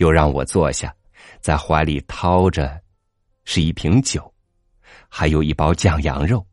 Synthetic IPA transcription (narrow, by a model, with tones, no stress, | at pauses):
jo˥˧ʊɻɑ˥˩ŋwɔ̰˨˩t͡swɔ˥˧ɕja̰˥˩ | t͡sa˥˩ɪxwa˧˥ɪli˨˩t̪ʰɑ˥ʊʈ͡ʂə˨ | ʂɻ̩˥˧i˥˩pʰi˧˥ŋt͡ɕjo˨˩˦ʊ | xa˧˥ɪjo˨˩ʊi˥˩pɑ˥ʊt͡ɕjɑ˥˩ŋjɑ̰˧˥ŋɻo˥˩ʊ